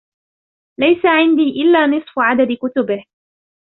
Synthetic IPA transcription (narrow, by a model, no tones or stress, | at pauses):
lajsaʕɪnd̪iːʔɪlːaːnɨsˤfʕad̪ad̪kʊt̪ʊbɪh